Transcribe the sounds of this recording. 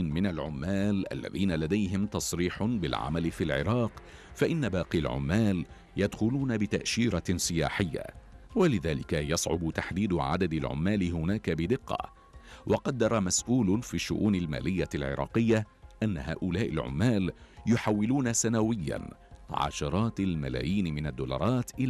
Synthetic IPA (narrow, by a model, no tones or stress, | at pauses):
mɪnalʕʊmːaːlʔa̰lːa̰ðiːnalad̪ajɦɪmt̪ɑsˤɾiːħbɪlʕa̰malɪfiːlʕɪ̰ɾɑːq | faʔɪnːabɑːqialʕʊ̰mːaːl | jad̪xʊluːnabɪt̪aʔʃiːɾasˤɨjaːħɪjːa̰walɪðaːlɪkajɑsˤʕʊ̰bʊt̪aħd̪iːd̪ʊʕa̰d̪ad̪alʕʊ̰mːaːlɪɦʊnaːkabɪd̪ɪqːɑ̰ | wɑqɑd̪ːɑɾˤɑmasʔuːlʊfiːʃːʊ̰ʔuːnalma̰ːlɪjːalʕɪ̰ɾˤɑ̰ːqɪjːaʔanːaɦa̰ːʔʊlaːʔɪ̰lʕʊ̰mːaːljʊħawːɪluːnasanawɪjːa̰nʕɑ̰ʃɑɾˤɑːt̪alma̰la̰ːjiːnɪmɪnad̪ːuːlɑ̰ɾˤɑːt̪ʔɪ